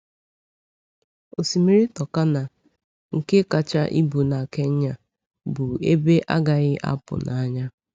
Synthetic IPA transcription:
o˨si˨mi˦ɾi˦tɔ˨ka˦na˨ | ŋ̩˨ke˦ka˨t͡ʃa˦ʔi˦bu˨na˨ke˦ɲ̩˦ɲa˦ | bʊ˨e˦be˦ʔa̰˦ɡa˨ɣɪ˦ʔa̰˦pʊ̰˨nʔa˨˦ɲa˦

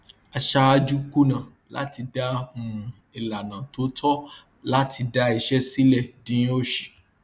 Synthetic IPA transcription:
a˨ʃa˧a˧d͡ʒu˦ku˦nã˨ | la̰˨˦ti˧da˧˦ũ˨ | e˨la˨nã˨to˨˦tʰɔ˦ | la˦tʰi˧da˧i˧ʃɛ˦si˦lɛ˦˨dĩ˦o˦ʃi̥˨

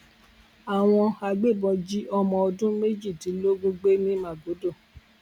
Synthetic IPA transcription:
a˨w̃ɔ̃˧a˧ɡ͡be˦˨bɔ̃˧d͡ʒi˦ʔɔ˧mɔ̃˧˨ɔ˧dũ˦me˦d͡ʒi˦˨tĩ˨˦lo˦ɡũ˦ɡ͡be˦nĩ˦mã˨ɡo˨˦do˦˨

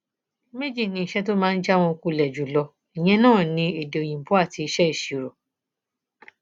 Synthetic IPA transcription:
me˦d͡ʒi˦˨nĩ˧˨ʃɛ˦to˦mãː˦˧n̩˦d͡ʒa˦w̃ɔ̃˧ku˧lɛ˨d͡ʒu˨˦lɔ˧ | i˨j̃ɛ̃˧nãː˦˨nĩ˧e˨de˨o˨j̃ĩ˨bu˨˦a˦˨ti˧i˧ʃɛ˦i˦˨ʃi˨ɾo˨

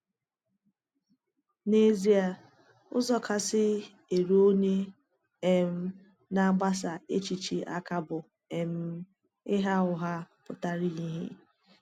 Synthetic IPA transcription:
ne˦zi˦a˨ | ʊ̰˦zɔ˦kʰa˨sɪ˦ | e˨ɾo˦ne˦ | e˨m̩˦ | na˦ɡ͡ba˦s̬a˨e˦t͡ʃi˨t͡ʃi˦ʔa̰˦ka˦bʊ˨ | e˨m̩˦ | ɪ˦ɦa˦ʊ˨ɦa˦pʊ˨ta˦ɾi˦ɲi˦ɦḭ˦

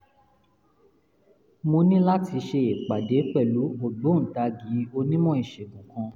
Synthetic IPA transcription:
mo˧nĩ˦la˦ti˧ʃe˧e˨k͡pa˨de˨˦k͡pɛ˦˨lu˨˦o˨dõ˨˦n̩˨ta˧ɡĩ˨˦o˧nĩ˦mɔ̃˦i˨ʃe˨ɡũ˨kã˧

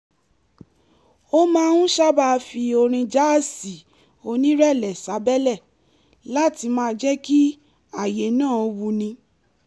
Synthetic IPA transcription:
o˦mãː˦hũ˦ʃa˦ba˦˧fi˧o˧ɾ̃ĩ˧d͡ʒa˦˨si˨ | o˧nĩ˦ɾɛ˦˨lɛ˨sa˨˦bɛ˦lɛ˦˨ | la˦˨ti˧mãː˦˧˦d͡ʒɛ˦ki˦ | a˦˨je˨˦nãː˦˨o˧˦wu˧nĩ˧

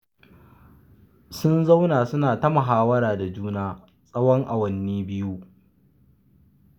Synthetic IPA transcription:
sʊ˦nza˦wnaː˨sʊ˦naː˨ta˦mɐ˨ɦaː˦wɐ˦ɾaː˨da˨d͡ʒuː˦naː˦ | sʼɐ˦wɔ˦ŋʔa˨wɐ˦nːiː˦bɪ˦ju˦ʔ

